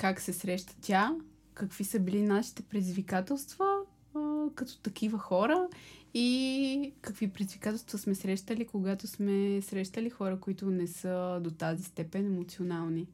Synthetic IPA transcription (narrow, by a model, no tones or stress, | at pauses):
kaksɛsɾɛʃt̪ə̥t̪ʲa | kɐkv̥isəbilinaʃi̥t̪ɛpɾɛd̪iizvikat̪ɛlˠst̪v̥ə | kɐt̪ɔ̥t̪ɐkivəxɔɾəi | kəkvipɾɛd̪izvikat̪ɛlˠst̪vɐsmɛsɾɛʃt̪əlikoɡat̪osmɛsɾɛʃt̪əlixɔɾəkoit̪ʊnɛsəd̪ot̪azist̪ɛpɛnɛmot̪sionalˠni